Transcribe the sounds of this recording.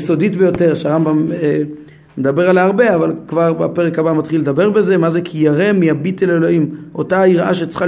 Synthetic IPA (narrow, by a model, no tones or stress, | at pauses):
so̞d̪it̪bejo̞teʁʃeaʁambame | med̪abe̞ʁalaʁbe̞avalkvaʁbapeʁekabamat̪χilːed̪abe̞ʁbe̞zemazekʰijaʁe̞miabit̪elelo̞imʔo̞taiʁa̰ʃet͡sχa